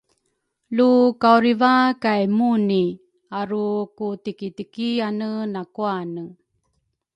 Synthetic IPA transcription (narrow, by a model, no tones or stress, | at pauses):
lukauɾivakajmuni | aɾukutikitikianənakuanə